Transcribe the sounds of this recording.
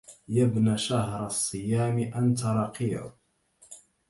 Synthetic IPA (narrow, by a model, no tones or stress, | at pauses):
jabnaʃaɦɾˤɑsˤːɨjaːmiʔant̪ɑɾˤɑqḭ